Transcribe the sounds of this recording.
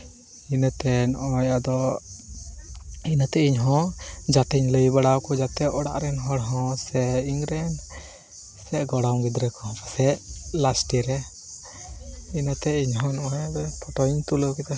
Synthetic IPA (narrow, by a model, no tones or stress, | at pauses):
inət̪ɛnɔʔaajad̪ɔ | inat̪ɛiɲɦɔ̃d͡ʒaʈiɲləjbaɽawkɔd͡ʒat̪ɛɔɽa̰ʔɾɛnɦɔɽɦɔ̃sɛiŋɾɛn | sɛʔɡɔɽawɡid̪ɾɛkɔɔ̃pasɛʔlasʈiɾɛ | inat̪ɛiɲɦɔ̃nɔʔajabɛp̪ʰɔʈɔiɲt̪ulukɛt̪a